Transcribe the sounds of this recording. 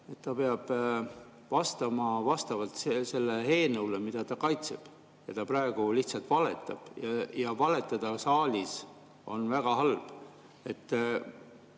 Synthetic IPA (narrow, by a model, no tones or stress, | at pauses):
e̞t̪ːɑpe̞ɑb̥ | vɑst̪ɑmɑvɑst̪ɑvɑlt̪sese̞lːehe̞ːnɤulemid̪̥ɑt̪ɑkɑjt̪se̞b̥ | jɑt̪ɑpɾɑe̞ɡ̥uliht̪sɑlt̪ˑvɑle̞t̪ːˑɑb̥jɑjɑvɑle̞t̪ːˑɑd̪̥ɑsɑːlʲis | o̞̰nvæɡ̥ɑɦɑlb̥ | e̞t̪ː